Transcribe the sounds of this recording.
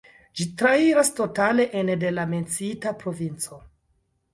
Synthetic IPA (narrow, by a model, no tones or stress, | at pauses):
d͡ʒitɾaiɾasto̞tale̞ʔende̞lame̞nt͡sitapɾo̞vint͡so̞